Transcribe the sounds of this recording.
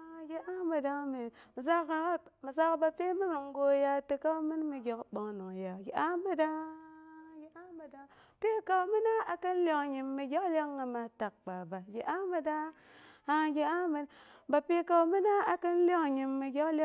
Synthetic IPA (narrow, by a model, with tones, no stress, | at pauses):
a˨ɡʲe˨a˦mə˨da˦mi˨mi˨za˦kmi˨za˦kba˨pe˦mi˦mi˨ŋ˦ɡo˦ja˦ti˨ka˦mi˦nmi˨ɡʲe˨kɓo˨˦ŋno˨ŋja˨ɡe˨ʔa˦mə˦da˦ | ɡe˨a˦mə˨da˦ | pe˦ka˨wmi˦na˦a˨kə˦n˦lo˦ŋɲi˨mːi˨ɡʲe˦kle˦ŋːa˨ma˨ta˨k̚k͡pa˨ba˨ɡʲe˨ʔa˦mə˦da˦ | ha˨ɡʲe˨a˦mə˨ba˨pe˦ka˦wmi˦na˦a˨kə˦n˦lo˦ŋɲi˨mːi˨ɡʲe˦kl